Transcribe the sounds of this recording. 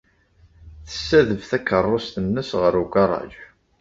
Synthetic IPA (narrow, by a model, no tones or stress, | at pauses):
θə̥sːæðəvθækːərˤːost̪ənːəsʁəɾuɡɑrˤːɑ̰ʒ